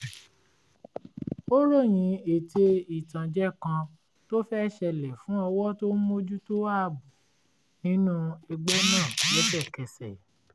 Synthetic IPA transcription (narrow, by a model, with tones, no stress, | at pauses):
o˦ɾo˦˨j̃ĩ˨˧˦e˨te˧i˨tã˨d͡ʒɛ˦kã˧ | to˦fɛ˦ʃɛ˧˨lɛ˨fũ˨˦ɔ˧wɔ˦to˦mo˦d͡ʒu˦to˦a˦˨bu˨ | nĩ˦nũ˦e˧ɡ͡bɛ˦nãː˦˨jɛ˨˦bɛ˦˨kɛ˨sɛ˨